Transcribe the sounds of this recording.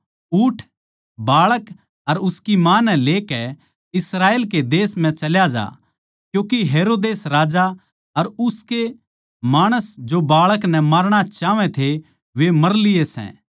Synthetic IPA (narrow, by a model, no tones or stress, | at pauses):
uːʈʰ | baːɭək | ɐɾʊskimãːnɛ̃leːkɛ | ɪsɾaːeːlked̪eːsm̤ɛ̃t͡ʃɐljad͡ʒa̰ː | kjũːkiɦeːɾoːd̪eːsɾaːd͡ʒa | ɐɾʊske | maːɽ̃əsd͡ʒobaːɭəknɛ̃maɾɽ̃at͡ʃaːʋɛ̃t̪ʰe | ʋemɐɾlɪjesɛ̰̃ː